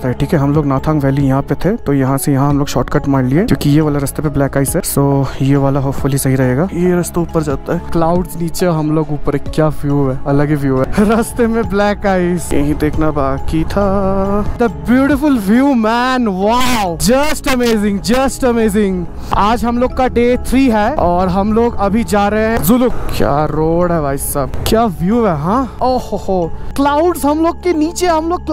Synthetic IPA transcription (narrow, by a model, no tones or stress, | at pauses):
t̪aɦɛʈʰiːkɛɦɐmloːɡnaːt̪ʰãːŋɡʋɛːlijɐɦãpet̪ʰet̪ojɐɦãsejɐɦãɦɐmloːɡʃɔːɾʈkɐʈmaːɽlieːkjõːkijeʋaːlaɾɐst̪epẽblɛːkaːɪzɦɛsoːjeʋaːlaɦoːpfʊlɦisɐɦiɾɐɦeːɡaːjeɾɐst̪ouːpəɾd͡ʒaːt̪aɦɛklaːʊɖsniːt͡ʃeɦɐmloːɡuːpəɾekːjaːfjuːɦɛɐləɡiʋjuːɛɾɐst̪emẽblɛːkaːɪzjɐ̰ɦĩd̪eːkʰnabaːkit̪ʰa | d̪əbjuːʈɪfʊlʋjuːmɛːnʋaʊd͡ʒɐsʈɐmeːzɪ̃ŋɡd͡ʒɐsʈɐmeːzɪ̃ŋɡ | aːd͡ʒɦɐmloːɡ̚kaɖeːt̪ʰɾiːɦɛːɔːɾɦɐmloːɡɐbʱid͡ʒaːɾɐɦeɦɛ̃zʊlʊɡ̚kja̰ːɾoːɽɦɛʋaːɪsaːbkjaːʋjuːʋɦɛɦãːoːhohoklaːʊɖzɦɐmloːɡ̚keniːt͡ʃeɦɐmloːɡ̚k